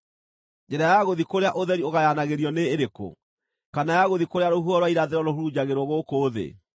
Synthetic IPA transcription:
d͡ʑɛɾajaɣoðikoɾeaʔoðɛɾioɣajanaɣeɾiɔneːɾeko̰ | kanajaɣoðikoɾeaɾoɦuɔɾwaiɾaðeɾɔɾoɦuɾud͡ʑaɣeɾɔɣokoːðḛ

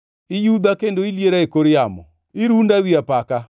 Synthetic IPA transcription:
ɪjud̪akendoiljeɾaekoɾɪamɔ̰ | ɪɾundawiapaka

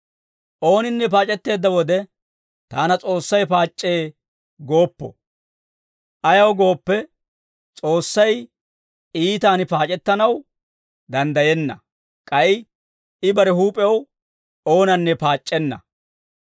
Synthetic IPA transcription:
ʔo̞ːnɪnːɛp̬aːt͡ʃʼɛt̪ːe̞ːd̪ːɐwɔd̪ɛ | t̪aːnɐt͡sʼo̞ːsːɐjpaːt͡ʃʼːe̞ː | ɡo̞ːpːɔ̰ | ʔɐjɐwɡo̞ːpːɛ | t͡sʼo̞ːsːɐj | iːt̪aːnɪpaːt͡ʃʼɛt̪ːɐnɐw | d̪ɐnd̪ɐjɛnːɐ | kʼɐjɪ | ɪbɐɾɛɦuːpʼɛw | o̞ːnɐnːɛpaːt͡ʃʼːɛnːɐ̰

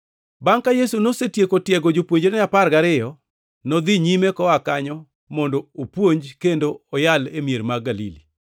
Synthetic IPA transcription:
baŋkajesunosetjekotjɛɡod͡ʒopwoɲd͡ʒenɛaparɡaɾɪjɔ | nɔd̪iɲimekɔakaɲɔ | mɔndoopwoɲd͡ʒkendoɔjalemieɾmaɡalḭli

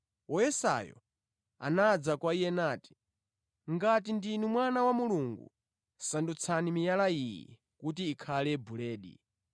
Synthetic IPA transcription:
wɔjɛsa̰jɔ̰ | a̰nad͡zakwaijɛnaːti̥ | ŋɡat̬indinumwanawamuluŋɡṵ | sandut͡sʰanimijalaijɛ̰ | kut̬iːkʰalɛbulɛːɗḭ

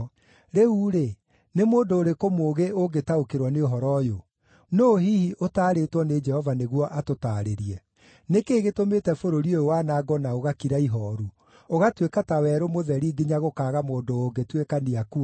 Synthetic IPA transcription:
ɾeuɾe | nemoːndoːɾekomoːɣeoɡetaokeɾwɔneoɦɔɾɔjo | noːɦihiʔotaːɾetwɔned͡ʒɛhɔvaneɣwɔʔatotaːɾeɾiɛ | nekeːɣetometɛfoɾoɾiojowaːnaːɡɔnaoɣakiɾaiɦɔːɾu | oɣatwekatawɛːɾomoðɛɾiɡiɲaɣokaːɣamoːndoːɡetwekaniaku

